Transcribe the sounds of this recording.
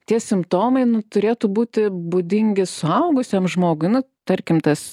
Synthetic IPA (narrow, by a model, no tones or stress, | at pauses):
t̪ʲiɛsʲɪmpt̪oːmɐɪnʊt̪ʊɾʲeːt̪ʊbuːt̪ʲɪbʊd̪ʲɪŋʲɡʲɪsʊɐʊɡʊsʲiɛmʒmoːɡʊɪnʊ | t̪ɐɾʲkʲɪmt̪ɐs